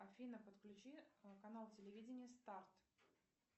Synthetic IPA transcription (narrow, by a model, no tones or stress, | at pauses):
ɐfʲinəpət̪klʲʉt͡ɕikɐnalˠtʲɪlʲɪvʲidʲɪnʲɪjəst̪art̪